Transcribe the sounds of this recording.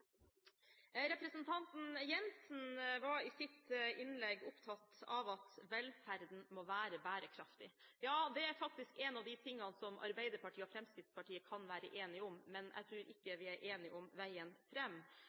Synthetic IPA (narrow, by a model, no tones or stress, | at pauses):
ɾɛpɾəsənt̪ʰɑnt̪n̩jɛnsn̩ʋɑɾɪsɪt̪ɪnlɛɡːʊpt̪ʰɑt̪ːɑʋɑt̪ʋɛlfæɾd̪n̩moːʋæːɾəbæːɾəkʰɾɑft̪ɪjɑːd̪ɛæɾfɑk̚t̪ɪskɛnɑʋd̪ɪt̪ʰɪŋːɑnsɔmʔɑ̰ɾbæɪd̪əɾpɑʈʰiːɔfɾɛmskɪd̪spʰɑʈiːəkʰɑnʋæːɾə̰ʔeːnɪɔmːɛnʔæ̰ɡt̪ʰɾʉːɾɪkːəʋɪæɾʔeːnɪʔɔmʋæɪənfɾɛmː